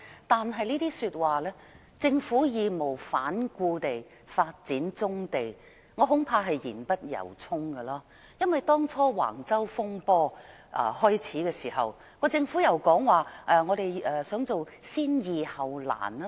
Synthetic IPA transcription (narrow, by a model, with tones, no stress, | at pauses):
t̪aː˨nɦɐ˨jlniː˥t̪iː˥syː˧t̚waː˨lɛː˥ | t͡sɪ˧ŋfuː˨˥jiː˨˧mo˨˩wfaː˨˥nkuː˧t̪e˨j | faː˧t̚t͡siː˨˥nt͡sʊ˥ŋt̪e˨j | ŋɔ˨˧ɦʊ˨˥ŋpʰaː˧ɦɐ˨jjiː˨˩npɐ˥t̚jɐ̰˨˩wt͡sʰʊ˥ŋɡɐ˧laː˧ | jɐ˥nwɐ˨jt̪ɔː˥ŋt͡sʰɔː˥wa̰ː˨˩ŋt͡sɐ˥wfʊ˥ŋpɔː˥ʔɐ̰˧hɔː˥jt͡sʰiː˨˥kɛː˧siː˨˩ɦɐ̰˨w | kɔː˧t͡sɪ˧ŋfuː˨˥jɐ˨˩wkɔː˨˥ŋwaː˨˩ʔɛ˧ŋɔː˨˧ɾe˨jɛː˨sœː˨˥ŋt͡so˨w | siː˥njiː˨hɐ˨wla̰ː˨˩nɐ˦˥